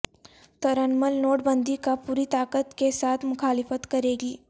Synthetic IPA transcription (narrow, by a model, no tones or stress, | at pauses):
t̪ɐɾənməlnoːʈbə̃nd̪ikapuːɾit̪aːkət̪kesaːt̪ʰmʊxaːlɪfət̪kɐɾeːɡiː